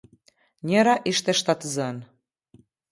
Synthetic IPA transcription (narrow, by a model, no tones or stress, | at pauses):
nʲeɾɑʔiʃt̪eʃt̪ɑt̪əzɑn